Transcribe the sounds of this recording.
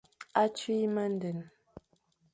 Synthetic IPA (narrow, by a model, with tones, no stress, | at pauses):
a˦t͡ʃɥi˦mə˦n̩˦də˨n